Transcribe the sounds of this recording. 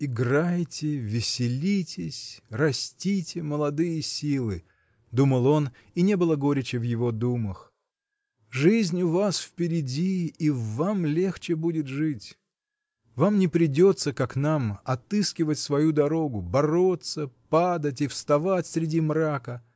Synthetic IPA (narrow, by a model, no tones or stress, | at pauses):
ɪɡrajtʲɪvʲɪsʲɪlʲitʲɪsʲrɐsʲtʲitʲɪməlˠɐd̪ɨjəsʲilˠɨ | d̪uməlˠo̞n | inʲe̞bɨlˠəɡo̞ɾʲɪt͡ɕɪvjɪvod̪uməx | ʐɨzʲnʲʊvasfpʲɪɾʲɪdʲiːvamlʲe̞xt͡ɕɪbudʲɪt̪ʐɨtʲ | vamnʲɪpɾʲɪdʲo̞t̪sːəkaknamɐt̪ɨskʲɪvətʲsvɐjud̪ɐɾo̞ɡʊbɐɾo̞t̪səpad̪ətʲɪfst̪ɐvatʲsʲɾʲɪdʲimrakə